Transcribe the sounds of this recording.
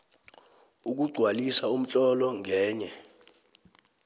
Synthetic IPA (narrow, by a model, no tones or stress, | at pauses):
uk̬uɡ͡ǀʱwalisaum̩t͡ɬʼɔlɔŋɛːɲɛ